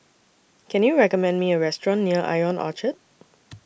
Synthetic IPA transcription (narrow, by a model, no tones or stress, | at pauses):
kʰɛ̃njuɹɛkɔmɛ̃nmiəɹɛstɹɔ̃nːiəʔa̰ɪɔ̃nʔɔ̰t͡ʃət̚